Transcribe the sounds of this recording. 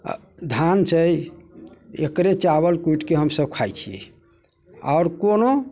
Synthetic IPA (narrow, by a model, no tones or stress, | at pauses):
d̪ʱant͡ʃəj | ḛkɾet͡ʃaβəlkuiʈkeɦəmsəbkʰajt͡ʃʰiḛ | ɔ̰ːɾkono